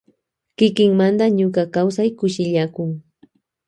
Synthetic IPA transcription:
kɪkɪŋmand̪aɲʊkakawsajkʊʃɪʎakʊŋ

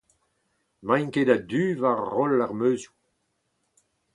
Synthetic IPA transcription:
mãjkedad̪yːvaʁːɔlːaʁmøːzju

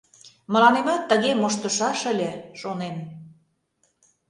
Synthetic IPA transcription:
mə̆lɑnemɑt̪ːəɣemoʃt̪ə̆ʃɑʃə̆lʲĕʃonen

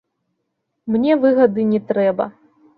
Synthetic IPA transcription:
mnʲɛvɨɣɐd̪ɨnʲɛt̪ɾɛbɐ̰

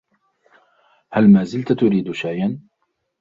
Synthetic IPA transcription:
halmaːzɪlt̪at̪ʊɾiːd̪ʃajʔan

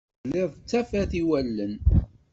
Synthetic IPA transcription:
lɪðˤt͡sːæfæθiwælːən

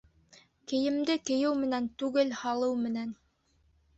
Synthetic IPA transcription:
kɘ̆jɘ̆md̪ɘkɘ̆jɘwmɘ̆nænt̪ʉɡɘlhɑlˠɤwmɘ̆næn

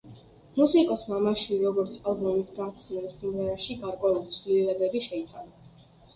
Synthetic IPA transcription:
musikʼɔsmamaʃiɾɔɡɔɾt̪sʰpʼalˠblɔmisɡat̪smɛlsimʁɛɾaʃiɡaɾkʼwɛulit̪sʰvlilɛbɛbiʃɛit̪ʰʼana

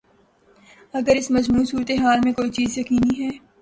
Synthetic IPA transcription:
ɐɡəɾɪsmɐd͡ʒmuːsuːɾət̪eɦaːlmẽkoːit͡ʃiːzjɐkiːniɦɛː

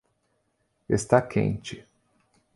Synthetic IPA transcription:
est̪akʰḛ̃nt͡ʃɪ

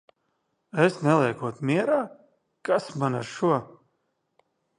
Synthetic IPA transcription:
esnɛlˠijkuɔt̪mʲiɛɾaː | kasmana̰ɾʃuɔ

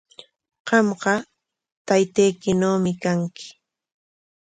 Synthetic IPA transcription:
ɢɑmɢɑ | t̪ajt̪ejkɪnoːmɪkaŋkɪ̥

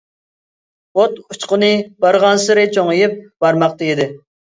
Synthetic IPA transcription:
ot̪ut͡ʃqənɨbɑɾʁɑnsɨɾɨt͡ʃʰoŋjɪp̚bɑɾmɑq̚d̪ejid̪ɪ

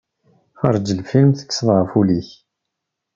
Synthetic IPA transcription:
χɑɾˤd͡ʒəlfilmθə̥kːsəðˤʁəfuliç

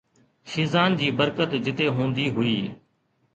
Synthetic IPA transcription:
ʃɪːzaːnd͡ʑiːbəɾkət̪d͡ʑɪt̪eːɦũːnd̪iːɦʊiː

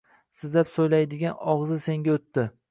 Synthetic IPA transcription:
sɪzlapsojlajd̪ɪɡʲanɒʁzɪse̞ŋɡʲaot̪ːɪ

